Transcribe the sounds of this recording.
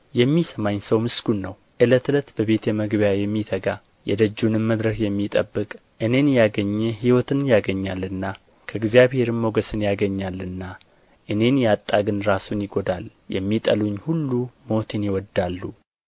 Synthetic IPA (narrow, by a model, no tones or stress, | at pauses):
jɛmːisəmaɲsəwmɨsɡunːəw | ʔɨlət̪ɨlət̪bəβe̞t̪jɛməɡbjajɛmːit̪ʰəɡa | jɛ̰d̪əd͡ʒːunɨmməd̪ɾəkjɛmːit̪ʼəbːɨkʼ | ʔɨne̞njaɡəɲːɛɦiwɔt̪ʰɨnjaɡəɲːalːɨnːa | kʰəɨɡzjaβhe̞ɾɨmmoɡəsɨnjaɡəɲːalɨnːa | ʔɨne̞njat̪ʼːaɡɨnɾasunjɪɡo̞d̪al | jɛ̰mːit̪ʼəluɲːhulːumo̞t̪ʰɨnjɪwɔd̪ːalːu